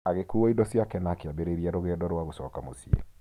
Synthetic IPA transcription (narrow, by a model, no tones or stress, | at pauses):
aɣekuɔidɔsjakɛnakeabeɾeɾiaɾoɣɛdɔɾwaɣosɔːkamosiḛ